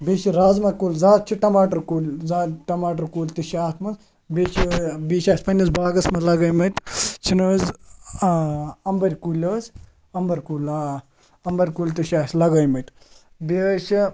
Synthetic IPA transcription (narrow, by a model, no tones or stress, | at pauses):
bʲeʃiɾaːzmɐkuːlzaːt̪̚t͡ʃʰiʈɐmaːʈɐɾkuːlʲzaːʈɐmaːʈɐɾkuːlʲt̪ɨʃaːt̪ʰmɐnz | bʲeːt͡ʃʰibiːʃaːsʲpɐnɐsbaːɡɐsmɐlɐɡɐːjmɐt̪t͡ʃʰinəːz | ɐmbɐɾʲkulʲəːz | ɐmbɐɾkuːlaː | ɐmbɐɾʲkuːlʲt̪ɨʃaːsʲlɐɡɐjmɐt̪ | biʃʰi